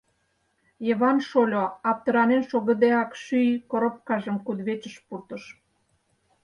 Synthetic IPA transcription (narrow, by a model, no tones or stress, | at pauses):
jəβɑnʃolʲoɑp̚t̪ə̆ɾɑnenʃoɣə̆d̪eɑkʃyjkoɾop̚kɑʒə̆mkud̪βet͡ɕəʃpurt̪ə̆ʃ